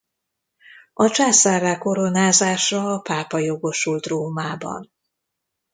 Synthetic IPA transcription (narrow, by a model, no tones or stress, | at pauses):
ɒt͡ʃaːsaːraːko̞ɾo̞naːzaːʃɒːpaːpɒjo̞ɡo̞ʃult̪roːmaːbɒ̰n